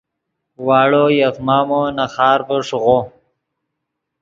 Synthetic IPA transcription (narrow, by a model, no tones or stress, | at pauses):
wɑːɽojakmaːmonaxɑːɾpəʂɣo